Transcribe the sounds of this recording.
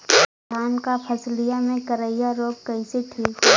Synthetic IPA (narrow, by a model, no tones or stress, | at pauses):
aːnkapʰɐslɪjamẽkəɾəɪjaɾoːkkəĩset̪ʰiː